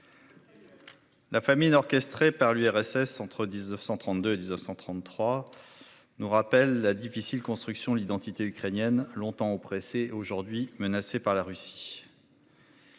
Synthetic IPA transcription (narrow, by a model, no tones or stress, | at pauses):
lafaminɔʁkʲɛst̪χepaʁlyɛʁɛsɛsɑ̃t̪χəd̪iznəfsɑ̃t̪χɑ̃t̪d̪øed̪iznəfsɑ̃t̪χɑ̃t̪ːχwa | nuʁapɛlːad̪ifisilkɔ̃st̪χyksjɔ̃d̪lid̪ɑ̃t̪it̪eykχenjɛnlɔ̃t̪ɑ̃opχeseoʒuʁd̪ɥimənasepaʁlaʁysi̥